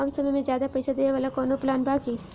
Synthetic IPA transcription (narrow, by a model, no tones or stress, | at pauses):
aːmsɐməjmẽzjaːd̪apɐɪsad̪ejaʋaːlakɔːnoplaːnbʱaːkiː